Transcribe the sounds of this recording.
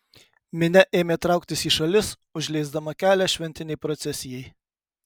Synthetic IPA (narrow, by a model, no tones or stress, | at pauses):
mʲɪnʲɛʔeːmʲeːt̪ɾɑˑʊkt̪ʲɪsiːʃɐlʲɪs | ʊʒʲlʲɛɪzd̪ɐmɐkʲæːlʲæʃʲʋʲɛnʲt̪ʲɪnʲɛɪpɾɔt̪sʲɛsʲɪjɛɪ